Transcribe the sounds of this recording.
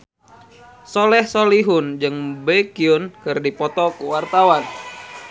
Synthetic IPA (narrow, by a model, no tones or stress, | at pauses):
solɛhsoliɦund͡ʒɨŋbekiunkɨrdipɔt̪ɔkuwart̪awan